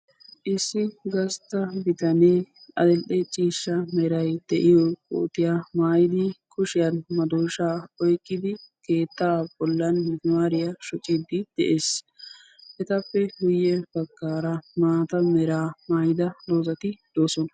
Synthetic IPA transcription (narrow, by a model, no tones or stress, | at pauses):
ʔɪsːɪɡɐst̪ːɐbɪt̪ɐneː | ɐ̰d̪ɛlʔɛt͡ʃʼiːʃːɐmɛɾɐjd̪̥ɛʔɪjɔkʼo̰ːt̪ɪjamaːjɪd̪ɪkʰʊʃɪjɐnmɐd̪oːʃaːɔjkʼːɪd̪ɪke̞ːt̪ːaːb̥ɔlːɐnmaːɾɪjɐʃɔt͡ʃʼːɪd̪ɪd̪̥ɛ̰ʔeːs | ʔɛt̪ɐpːɛɡʊjːɛbɐkːaːɾɐmaːt̪ɐmɛɾaːmaːjɪd̪ɐloːzɐt̪ɪd̪̥oːsɔnɐ